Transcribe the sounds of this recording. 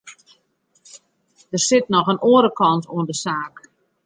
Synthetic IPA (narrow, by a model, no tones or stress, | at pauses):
d̥ərsɪt̚nɔxənʔoːɾəkɔntuəndəsaːk